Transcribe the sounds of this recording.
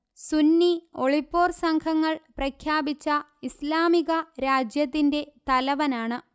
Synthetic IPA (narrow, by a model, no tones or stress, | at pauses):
sunːio̞ɭipːo̞ːrsɐŋkʰɐŋːɐɭprɐkʰjaːbit͡ɕːɐ | islaːmiɣɐɾaːd͡ʑjɐt̪ːinde̞t̪ɐlɐʋɐnaːɳɨ